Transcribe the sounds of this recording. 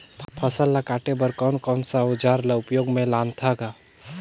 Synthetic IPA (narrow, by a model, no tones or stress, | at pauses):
pʰəsəlːakaːʈebəɾkɔnkɔːnsaʊd͡ʒaːɾlaʊpjoːɡmẽlaːnt̪ʰaɡaː